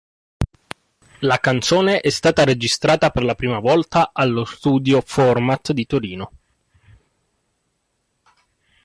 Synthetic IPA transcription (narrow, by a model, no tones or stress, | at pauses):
lakant̪soːneʔɛst̪aːt̪aɾed͡ʒist̪ɾaːt̪aperlapɾiːmavɔlt̪aʔalːost̪uːd̪jofɔrmat̪d̪it̪oɾiːno